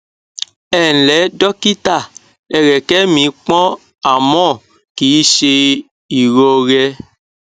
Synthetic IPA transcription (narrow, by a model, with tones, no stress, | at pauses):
ɛ˨lɛ˨˦dɔ˦ki˦ta˦˨ | ɛ˨ɾɛ˨kɛ˦mĩ˨˦k͡pɔ̃˦ | a˨mɔ̃˦˨ | ki˨i˦ʃe˧ | i˨ɾo˧ɾɛ˧